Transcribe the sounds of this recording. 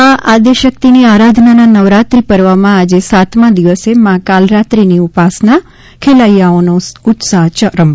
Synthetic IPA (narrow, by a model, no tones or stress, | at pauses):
aʔad̪eʃək̚t̪iniaɾad̪ʱnananəʋɾat̪ɾipəɾʋamãad͡ʒesat̪mãd̪iʋəsemãkalɾat̪ɾiniupasna | kʰelajaonoʊt̪saɦt͡ʃəɾəm